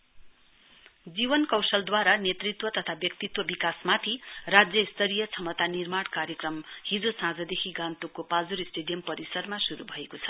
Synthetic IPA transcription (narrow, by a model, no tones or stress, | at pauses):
d͡zibʌnkʌwsʌld̪waɾanet̪rit̪wʌt̪ʌt̪ʰabjʌkt̪it̪wʌbikasmat̪ʰirad͡zjʌist̪ʌɾijʌt͡sʰʌmʌt̪anirmaɽkaɾjʌkrʌmhid͡zosãd͡zʌd̪ekʰiɡãnt̪ukːopad͡zuɾisʈeɖijʌmpʌɾisʌɾmasuɾubʱʌekot͡sʰʌ̥